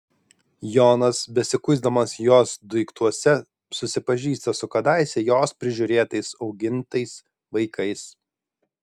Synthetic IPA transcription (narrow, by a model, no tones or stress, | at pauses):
joːnɐsbʲɛsʲɪkʊɪzd̪ɐmɐsjoːsd̪ʊɪkt̪uɔsʲɛ | sʊsʲɪpɐʒʲiːst̪ɐsʊkɐd̪ɑˑɪsʲɛjoːspʲɾʲɪʒʲʊːɾʲeːt̪ɐɪsɒʊɡʲɪnt̪ɐɪs | ʋɐɪkʰɐɪs